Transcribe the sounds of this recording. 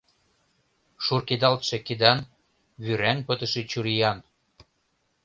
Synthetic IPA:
ʃurked̪ɑlt̪ʃĕked̪ɑn | βyɾænpət̪ə̆ʃet͡ɕuɾijɑn

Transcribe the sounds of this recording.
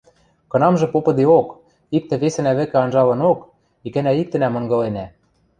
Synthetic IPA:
kɤ̆nɑmʒɤ̆popɤ̆d̪eok | ik̚t̪ɘ̆βesɘ̆næβɘ̆kɘ̆ɑnʒɑlɤ̆nok | ikæ̆næik̚t̪ɘ̆næmɤ̆ŋɡɤ̆lenæ

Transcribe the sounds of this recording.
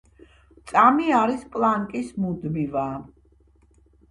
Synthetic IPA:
t̪sʼamiaɾispʼlˠaŋkʼismud̪miva

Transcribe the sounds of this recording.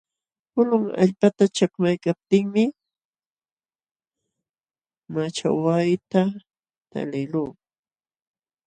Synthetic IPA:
kʊlʊŋa̰ʎpat̪at͡ʃakmajkap̚t̪ɪŋmɪ | mat͡ʃa̰wajt̪a | t̪a̰lɪluː

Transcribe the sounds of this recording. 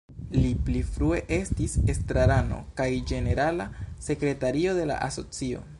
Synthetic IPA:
liplifɾue̞ʔe̞stise̞stɾaɾano̞̰kajd͡ʒe̞ne̞ɾalase̞kɾe̞taɾio̞de̞la̰ʔaso̞t͡sio̞̰

